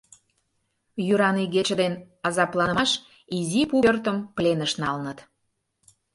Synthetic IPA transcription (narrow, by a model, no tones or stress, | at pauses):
jyɾɑniɡet͡ɕəd̪en | ɑzɑplˠɑnəɑʃ | izipuørt̪əmplenəʃnɑlnət̪